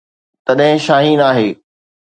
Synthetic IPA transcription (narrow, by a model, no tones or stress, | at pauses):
t̪ɐɗɦɪ̃ʃaːɦiːnaːɦeː